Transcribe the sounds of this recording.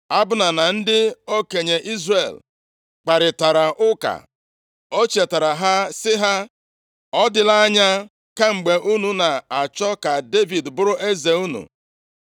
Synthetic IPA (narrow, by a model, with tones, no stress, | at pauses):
a˦bʊ˦na˨na˨n̩˦dɪ˦o˦ke˨ɲe˨ʔi˦zrḛ˨l | k͡pa˨ɾɪ˨ta˨ɾa˨ʔʊ˦ka̰˨ | o˦t͡ʃe˨ta˨ɾa˨ɦa˦sɪ˦ɦa˦ | ɔ˦dɪ˨la˦ɲa˦ | ka˦ŋ͡m̩˨ɡ͡be˨ʔu˦nu˨na˨a˨t͡ʃɔ˦ka˨de˦vi˨dbʊ˦ɾʊ˦ʔe˦ze˨u˦nṵ˨